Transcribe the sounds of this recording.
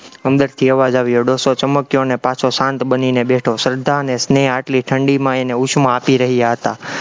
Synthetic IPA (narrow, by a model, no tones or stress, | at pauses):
əmd̪əɾt̪ʰiəʋad͡ʒaʋjoɖosot͡ʃəməkjonepãt͡ʃʰosãnt̪bəninebeʈʰosəɾd̪ʱːaənesneaʈliʈʰəɳɖimãeneut͡ʃʰmãapiɾəɦijaɦət̪a